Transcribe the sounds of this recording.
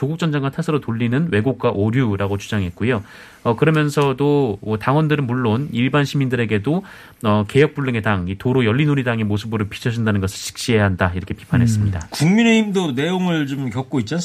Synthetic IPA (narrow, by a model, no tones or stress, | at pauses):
t͡ɕoɡuk̚t͡ɕ͈ʌnd͡ʑaŋɡatʰasʰɯɾotoʎːinɯnwe̞ɡok̚k͈waʔoɾjuɾaɡot͡ɕu̥d͡ʑaŋɦe̞t̚k͈ujo | ʌkɯɾʌmjʌnsʰʌdoʌtaŋwʌndɯɾɯnmuɭːoniɭbanɕʰimindɯɾe̞ɡe̞do | ʌke̞jʌk̚p͈uɭːɯŋe̞daŋitoɾojʌɭːinuɾidaŋemosʰɯbɯɾɯɭpʰi̥t͡ɕʰʌd͡ʑindanɯnɡʌsʰɯɭɕʰi̥k̚ɕ͈iɦe̞jaɦandaiɾʌkʰe̞pi̥pʰanɦe̞s̬͈ɯmɲidakuŋmine̞imdone̞joŋɯɭt͡ɕomkjʌk̚k͈oit̚t͡ɕ͈a